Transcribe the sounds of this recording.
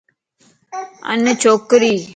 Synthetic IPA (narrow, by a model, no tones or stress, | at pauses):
ə̰nːət͡ʃʰoːkɾiː